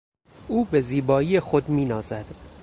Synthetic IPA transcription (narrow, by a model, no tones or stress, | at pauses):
uːbe̞ziːbɒːijexod̪miːnɒːzæd̪̥